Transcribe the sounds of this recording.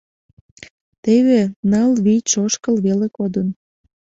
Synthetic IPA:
t̪eβenɑlβiʃoʃkəlβelekod̪ən

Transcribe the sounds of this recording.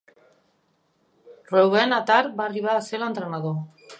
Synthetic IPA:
rowɣenat̪aɾbariβaðselant̪ɾenaðu

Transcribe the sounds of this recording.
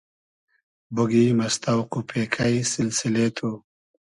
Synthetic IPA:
buɡimɐst̪awqupʰeːkʰajsɪlsɪlet̪ʰu

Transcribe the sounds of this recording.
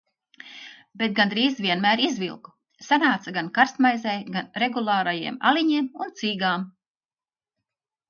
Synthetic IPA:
bet̪̚ɡand̪ɾiːzvʲiɛnmæːɾizvḭlˠku̥ | sanaːt̪saɡankaɾst̪majzɛjɡanɾeɡulˠaːɾajiɛma̰liɲiɛmunt̪siːɡaːm

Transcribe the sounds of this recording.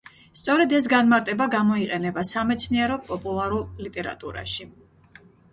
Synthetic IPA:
st̪sʼɔɾɛd̪ɛs̬ɡanmaɾt̪ʼɛbaɡamɔiqʼɛnɛbasamɛt̪sʰniɛɾɔpʼɔpʼulˠaɾulˠlit̪ʼɛɾa̰t̪ʼuɾa̰ʃi

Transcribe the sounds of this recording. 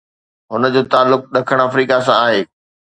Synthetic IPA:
ɦʊnəd͡ʑoːt̪aːlːʊk̚ɗɐkʰəɽ̃ɐfɾiːkas̬ãaːɦeː

